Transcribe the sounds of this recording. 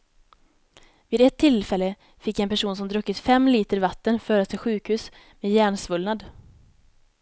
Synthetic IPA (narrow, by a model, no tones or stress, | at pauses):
viːd̪ɛt̪ʰːɪlfɛlːə | fɪkːɛnpæʂuːns̬ɔmd̪ɾɵkːɪt̪fɛmːliːt̪əɾvat̪ːənfœːɾat̪ʰɪlɧʉ̟ːkhʉ̟ːs | meːd̪jæːɳsvɵlnad̪